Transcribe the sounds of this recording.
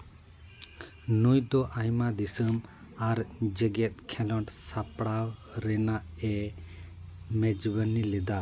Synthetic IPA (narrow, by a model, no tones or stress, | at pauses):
nujd̪ɔʔajmad̪isəm | aɾd͡ʒɛɡɛt̪̚kʰɛlɔʈsapɽawɾɛnaʔɛ | mɛd͡ʒbənilɛd̪a